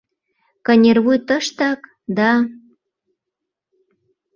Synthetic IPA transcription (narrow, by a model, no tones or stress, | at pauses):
kɤ̆nʲerβujt̪ə̆ʃt̪ɑk | d̪ɑ